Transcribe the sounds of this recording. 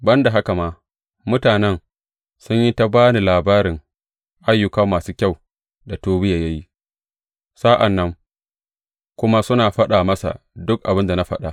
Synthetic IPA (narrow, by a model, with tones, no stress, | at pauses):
bɐ˦nda˨ɦa˦ka˨maː˨ | mʊ˦taː˨nɛ˦ŋ | sʊ˦ɲji˦ta˦baː˦ni˨laː˨baː˦ɾɪ˨ŋ | ʔa˦jːʊ˦kɐ˦mːaː˨suː˦kʲa˦˨w | da˨toː˦bɪ˦ja˨jɐ˦ji˦ | sa˦ʔa˨nːɐ˦ŋ | kʷʊ˦ma˦sʊ˦naː˨ɸɐ˦ɗa˨mɐ˦sa̰˨ | dʊ˦k̚ʔa˨bɪ˦nda˨na˦ɸɐ˦ɗa˨